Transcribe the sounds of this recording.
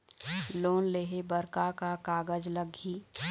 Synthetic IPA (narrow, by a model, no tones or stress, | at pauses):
loːnleːɦebəɾkakakaːɡəd͡ʒləɡʱi